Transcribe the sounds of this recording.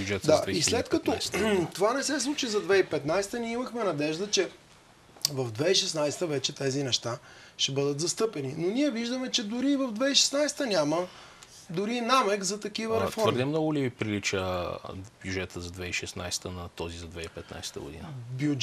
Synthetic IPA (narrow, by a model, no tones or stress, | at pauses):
bd͡ʒɛt̪d̪aislɛt̪kət̪ɔt̪ovanɛsɛslˠut͡ʃizɐd̪vɛipɛt̪najsɛ̥t̪ənʲiɛimɐxmɛnɐd̪ɛʒd̪ət͡ʃɛ | vɐvd̪vɛiʃɛsnajst̪əvɛt͡ʃɛt̪ɛzinɛʃt̪a | ʃɛbɤd̪ət̪zɐst̪ɤpɛninonʲiɛviʒd̪əmɛt͡ʃɛd̪ʊɾivɐvd̪vɛiʃɛ̥snajst̪ənʲamə | d̪ʊɾinamɛkzɐt̪ɐkivəɾɛfɔɾəɾɾd̪ʲəmnɔɡʊlivipɾilit͡ʃə | bjud͡ʒɛt̪əzɐd̪vɛiʃɛsnajsɛ̥t̪ənɐt̪ɔzizɐd̪vɛipɛt̪na̰jsɛ̥t̪ə̰ɡo̰d̪ḭnbjud͡ʒ